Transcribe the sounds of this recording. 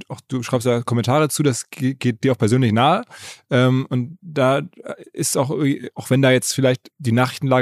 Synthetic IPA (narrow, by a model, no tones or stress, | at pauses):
aʊxd̥uːʃʁ̥aɪpstd̥aːkʰɔmɛntʰaːʁət͡suːdasɡeɡ̥eːt̚d̥iːɐaʊxpʰɛɐzøːnlɪçnaːəʔɛːmʊntd̥aːɪstsaʊxʔɪviːaʊxv̥ɛndaːjɛt͡stfɪlaɪçtd̥iːnaːχʁ̥ɪçtn̩laː